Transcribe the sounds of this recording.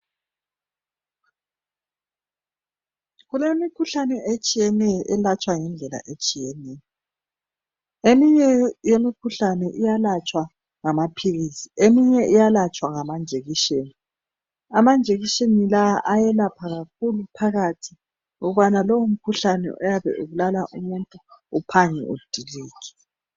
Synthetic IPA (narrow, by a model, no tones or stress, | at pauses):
ɣulemikʰuɬanɛʔet͡ʃʼijɛnɛjɔʔɛlat͡ʃʼwaŋɛnd͡ɮʱɛla̰ʔet͡ʃʼijɛnɛːjɔ | emiɲɛjemikʰuɬanɛʔijalat͡ʃʼwa | ŋamapʰiɣisiemiɲɛʔijalat͡ʃʼwaŋamand͡ʒʱeɣiʃeːni | amand͡ʒʱeɣiʃenilaaʔajɛlapʰaɣak̚ʰulupʰaɣatʰi̥ | ŋuɣuβanalɔwum̩kʰuɬanɛ̰ʔɔjaβɛ̰ʔuɣulalaʔumuntʼuupʰaŋɛ̰ʔṵd̥ʱiliːkʰɛ̥